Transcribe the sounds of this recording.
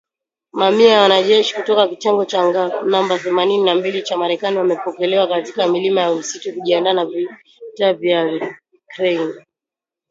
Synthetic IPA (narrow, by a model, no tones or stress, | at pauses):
mamiawanaʄɛʃi̥kutɔkakitɛŋɡɔt͡ʃaŋɡanambaθɛmanininambilit͡ʃamaɾɛkaniwamɛpɔkɛlɛwakatikamilimajausitɔkuʄiandanavi | tavia | kɾɛin